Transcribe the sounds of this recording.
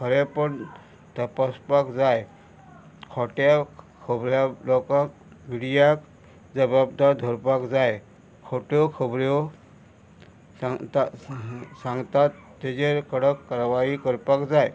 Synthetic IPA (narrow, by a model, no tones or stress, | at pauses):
kʰəɾepəɳ | t̪əpaspakd͡zaj | kʰɔʈja | kʰəbɾjalɔkãk | ʋiɽjak | d͡zəbabd̪aɾd̪ʱɔɾpakd͡zaj | kʰoʈjɔkʰəbɾjɔ | aŋt̪a | sãŋɡt̪at̪ːed͡ʑeɾkəɽəkːaɾʋaikəɾpakd͡zaj